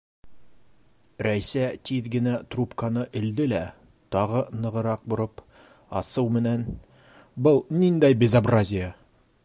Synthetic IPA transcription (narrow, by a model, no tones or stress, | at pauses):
ɾæjsæt̪iðɡɘ̆næt̪rupkanɤʔɘ̆ld̪ɘlæ | t̪ɑʁɤnɤ̆ʁɤ̆ɾɑq̚bŏɾɤp | ɑ̰sɤwmɘ̆næn | bɤlˠnind̪æjbʲɪzabrazʲɪja